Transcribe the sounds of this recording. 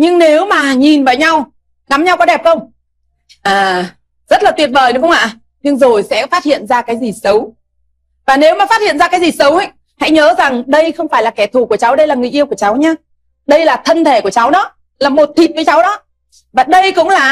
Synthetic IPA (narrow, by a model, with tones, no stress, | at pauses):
ɲɨ˧ŋne˨˦wmaː˨˩ɲi˨˩nva̰ː˨˩jɲa˧w | ɣa˨˦mɲa˧wkɔ˨˦ɗɛ˨˩p̚xə˧wŋ͡m | ʔaː˨˩ | z̥ə˦˥t̚laː˨˩t̪wi˧˩ət̚vəː˨˩jɗɨ˨˦xə˧ŋ͡mʔa̰ː˧˨ | ɲɨ˧ŋzo˨˩jsɛ̰˧˥faː˦˥t̚hḭ˧˨ənzaː˧kaː˨˦jzi˨˩sə˨˦w | vaː˨˩ne˨˦wmaː˨˩fa˦˥t̚hḭ˧˨nzaː˧kaː˨˦jzi˨˩sə˨˦wha˧˦j | ha̰˧˥jɲəː˨˦za˨˩ŋɗə˧jxə˧wŋ͡mfaː˧˩jlaː˨˩kɛ˧˩t̪ʰu˨˩ku˧˩ət͡ɕa˨˦wɗə˧jlaː˨˩ŋɨ̰˧˨ʔi˧əwku˧˩ət͡ɕa˨˦wɲaː˧ | ɗə˧jlaː˨˩t̪ʰə˧nt̪ʰe˧˩ku˧˩ət͡ɕa˨˦wɗɔ˨˦ | laː˨˩mo˨˩t̚t̪ʰi˨˩t̚vɨː˨˧˦jt͡ɕa˨˦wɗɔ˨˦ | vaː˨˩ɗə˧jkʊ̰˧˥ŋ͡mlaː˨˩